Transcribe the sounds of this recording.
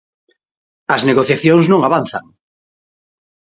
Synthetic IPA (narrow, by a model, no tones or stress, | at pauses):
ɐzneɣoθjaθjoŋsnõŋaβanθa̰ŋ